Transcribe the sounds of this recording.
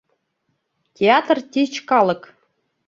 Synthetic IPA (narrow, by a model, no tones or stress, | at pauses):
tʲeɑt̪rt̪ʲit͡ɕkɑlˠɤ̆k